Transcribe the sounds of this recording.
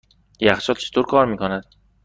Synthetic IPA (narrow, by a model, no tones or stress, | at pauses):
jæxt͡ʃɒːt̪t͡ʃʰet̪ʰoɾkʰɒːɾmiːkʰonæd̪̥